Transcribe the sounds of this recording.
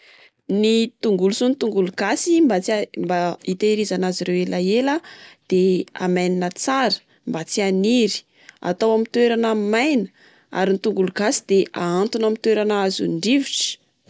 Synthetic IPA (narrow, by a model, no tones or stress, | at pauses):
nit̪uŋɡulusunit̪uŋɡuluɡasimbat͡smbait̪eɾizanazirewelaelad̪̥ea̰majninət͡saɾə̥ | mbat͡sianiɾi̥ | a̰t̪awamint̪weɾanamajnə̥ | a̰ɾinit̪uŋɡuluɡ̥asi̥d̪eʔaant̪unamit̪weɾanazṵɳɖ͡ʐiviʈ͡ʂə̥